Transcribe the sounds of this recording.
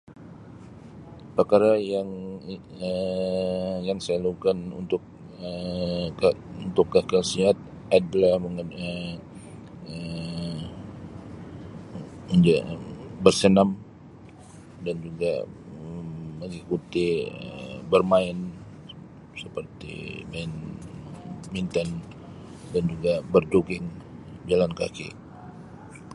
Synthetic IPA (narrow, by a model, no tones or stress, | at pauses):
pakaɾajaŋ | ə | jaŋsajalaukanṵnt̪ʊk̚ | ə | unt̪ʊkːakasiɦat̪̚ | adalahməŋənə | ə | ənd͡ʒabərsənam | dand͡ʒuɡa̰ | məŋikut̪iə̰bərmaɪn | səpərt̪ḭmaɪn | mint̪an | dand͡ʒuɡabərd͡ʒuɡɪŋd͡ʒalanka̰kḭ